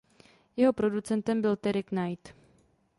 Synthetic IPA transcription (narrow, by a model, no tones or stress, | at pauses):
jɛɦo̞pɾo̞dut͡sɛnt̪ɛmbɪlt̪ɛɾɪknajt̪